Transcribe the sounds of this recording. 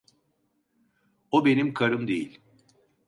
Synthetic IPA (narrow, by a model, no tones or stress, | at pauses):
obe̞nimkʰaɾɯmd̪e̞jilʲ